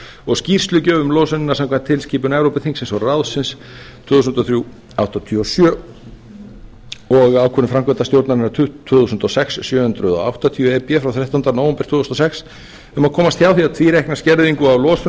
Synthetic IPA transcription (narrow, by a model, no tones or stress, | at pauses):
ɔɣscir̥st̪lʏcœːvʏmlɔːsʏnɪnaɾsamkʰvɛnt̪ʰɪlsciːpʏnɛvɾowpɪθiŋsɪnsɔɾraðsɪns | t̪ʰvʏːθusʏnt̪ɔθɾju | awht̪at̪ʰiɔsjœː | ɔɣaːwkʰɔnɪfɾamkɛnt̪ast̪jowɾt̪naɾɪnaɾt̪ʰvʏːθusʏnt̪ɔsɛksːjœːhʏnt̪ɾʏðɔ̰a̰wht̪at̪ʰiʏɛpjɛfɾawθɾɛht̪ahnanawɛmpɪ̥ɾt̪ʰvʏːθusnɔsɛks | ʏmakʰɔːmast̪çaːwθiaðt̪ʰviːɾehknascɛɾðiŋkʏawlɔːsʏ